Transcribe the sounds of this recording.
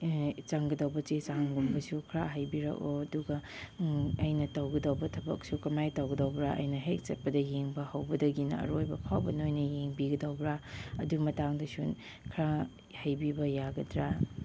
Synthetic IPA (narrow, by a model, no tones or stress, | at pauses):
t͡ʃaŋɡɐdɐwbɐt͡ʃet͡ʃaŋɡumbɐsukʰɾaɦɐjbiɾa̰koɐduɡɐ | ɐjnɐtɐwɡɐdɐwbɐtʰɐbɐ̰k̚sukɐmajtɐwɡɐdɐwbɾaʔɐ̰jnɐɦek̚t͡ʃɐt̚pɐdɐjeŋbɐhɐwbɐdɐɡinɐ̰ɐ̰ɾojbɐpʰawbɐnojnɐjeŋbiɡɐdɐwbɾaɐdumɐtaŋdɐsun | kʰɾa | hɐjbibɐjaɡɐdɾa